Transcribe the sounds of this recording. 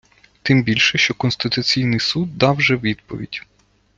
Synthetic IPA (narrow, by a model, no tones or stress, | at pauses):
t̪ɪmbʲilʲʃɛʃt͡ʃɔkɔnst̪ɪt̪ʊt͡sʲijnɪjsud̪ːɑwʒɛʋʲid̪̚pɔ̰ʋʲḭdʲ